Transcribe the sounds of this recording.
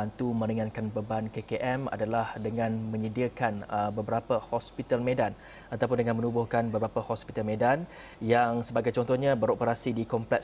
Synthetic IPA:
ant̪umə̃ɾiŋankanbəbankekeʔɛma̰dalahdəŋãnmə̃ɲədiəkanəbəbəɾapəhɔspit̪almẽdan | at̪awp̬ʊndəŋanmənubʊhkanbəbəɾapəhɔspit̪almẽdan | jaŋsəbaɡajt͡ʃɔnt̪ɔhɲãbəɾopəɾasidikɔmplɛk

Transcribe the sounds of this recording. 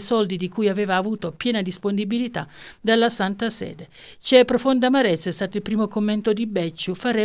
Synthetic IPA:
sɔld̪id̪ikujavɛːvaːvuːt̪opjɛːnad̪isponibilit̪ad̪alːasant̪asɛ̰ːd̪e | t͡ʃɛpːɾofond̪amaɾɛt̪sːaɛst̪aːt̪oilpɾiːmokomːɛnt̪od̪ibɛt͡ʃːufaɾɛ

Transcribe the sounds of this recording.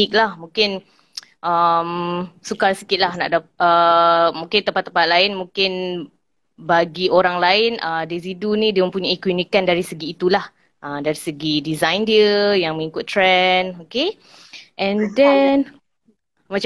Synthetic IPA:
ik̚lahmũŋkɪn | ʔəmsukarsə̥kɪt̪̚lahna̰ʔdaəmũŋkɪnt̪əmpat̪ːəmpat̪̚laɪnmũŋkɪn | baɡioɾaŋlaɪnəmdiəzidunĩdiəmə̃mpuɲaikwunikandaɾisəɡiːt̪ulah | ʔəmdaɾisəɡidizajndiəjaŋmə̃ŋikʊt̪ːɾɛnoke | ʔɛ̃ndɛn | mat͡ʃ

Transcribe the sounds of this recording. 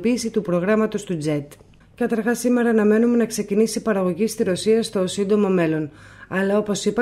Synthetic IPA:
piːsit̪upɾo̞ɣɾɐmɐt̪o̞st̪ud͡ze̞t̪ | kɐt̪ɐɾxɐsime̞ɾɐːnɐme̞nume̞nɐkse̞cinisipɐɾɐɣo̞ʝist̪iɾo̞siɐst̪o̞sind̪o̞mo̞me̞lo̞nɐlɐo̞po̞sipɐ

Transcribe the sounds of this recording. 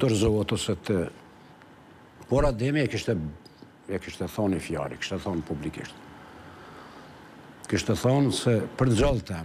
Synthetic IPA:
d̪ɔɾzɔat̪ɔsɛt̪ə | pɔɾad̪ɛmiɛkiʃt̪ɛ | ɛkiʃt̪ɛθɔnifja̰ɾiki̥ʃt̪ɛθɔnpublikḭʃt̪ | kiʃt̪ɛθɔnsɛpəɾzalˠt̪ɛ

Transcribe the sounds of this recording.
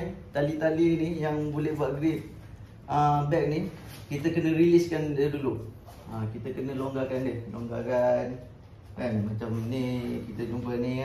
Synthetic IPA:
t̪alit̪alinijaŋbulɛhbuaʔɡɾit̪̚ | əbɛk̚ni | kit̪əkənə̃ɾiliskandəduluʔ | əkit̪əkənə̃lɔŋɡakandɪhlɔ̰ŋɡakan | kanmat͡ʃaminikit̪əd͡ʒumpəni

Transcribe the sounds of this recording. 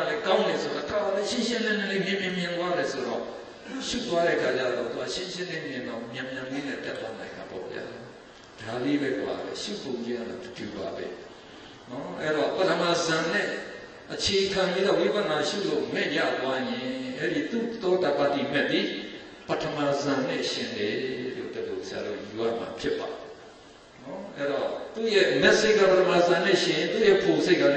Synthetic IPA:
alɛkãʊ̃nɛsoɾakʰabaleɪ̃ɕɪ̃nlɪ̃nɛ̃lẽmjɪ̃mjɪ̃mjɪ̃nt̪waɾɛsoɾɔ̰ | t̪uʃṵt̪̬waɾɛ̰ʔəkʰat͡ɕa̰ðɔ̰t̪uaʃɪ̃ɕɪ̃nlẽmjɪ̃ŋãʊ̃mjãmjãinɛ̰̃tɛt̪ːwanãɪ̃nda̰pɔ̰bja̰ | d̥alebɛba̰bɛ̰ʃṵpõʊ̃ɲd͡ʑɪ̃ʔa̰la̰dəduba̰bɛ̰ | nɔʔɛ̰ɾɔpətʰəmazãnɛ̰̃ | ʔət͡ɕʰeʔəkʰãjid̪ɔwibãmaʃṵlo̰mɛ̃ʔja̰t̪wajɪ̃ʔɛɾit̪ṵt̪ɔdapat̪imɛʔ̪̚i | pətʰəmazãn̥ɪ̰̃ʃɪ̃ndɛlo̰d̪əlosəja̰ðo̰juʔa̰ʔma̰pʰjɪpːa | nɔʔɛɾɔt̪ṵjɛʔmɛʔseʔkːapətʰəmazãn̥ɪ̰̃ʃɪ̃jɪ̃nt̪ujɛʔpʰosʰeɪʔkːa̰

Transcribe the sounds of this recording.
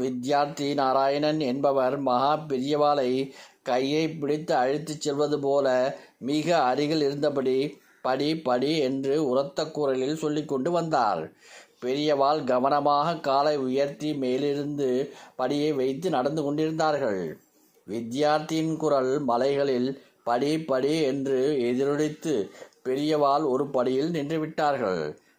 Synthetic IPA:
ʋɪd̪jaːɾt̪inaːɾaːjɐnɐnɛnbɐʋɐɾmɐɣaːpɪɾɪjɐʋaːlɐɪkɐjːɐɪpːɪɽɪt̪ːɯɐɻɪt̪ːɯt͡ʃːɛlʋɐðɯp̬oːlɐmɪɣɐːɾɪɣɐɭɪɾɯnd̪ɐpɐɽi | pɐɽipɐɽiɛndrɯʊɾɐt̪ːɐkːuːɾɐlɪlsɔlːɪkːɔɳɖɯʋɐnd̪a̰ːɾpɛɾɪjɐʋaːlɡɐʋɐnɐmaːɣɐkːaːlɐɪʊjɐɾt̪rimeːlɪɾɯnd̪ɯpɐɽɪjɐɪʋɐɪt̪ːɯnɐɽɐnd̪ɯkɔɳɖɪɾɯnd̪aːɾɣɐɭ | ʋɪd̪jaːɾt̪ːɪjɪnkʊɾɐɭmɐlɐɪɣɐɭɪl | pɐɽipɐɽiɛndrɯɛðɪɾɯɻɪt̪ːɯpɛɾɪjɐʋaːlɔɾɯpɐɽɪjɪlnɪndrɯʋɪʈːaːɾɣɐ̰ɭ

